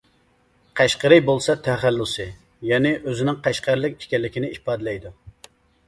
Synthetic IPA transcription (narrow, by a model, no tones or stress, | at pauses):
qʰæʃqəɾɪjbolˠsɑt̪ʰɛχælːusɨ | jɛnɪʔøzɪnɪŋqʰæʃqæɾlɪkʲi̥ʃkʲɛlːɪkʲinɪihpɑːd̪lɛjd̪u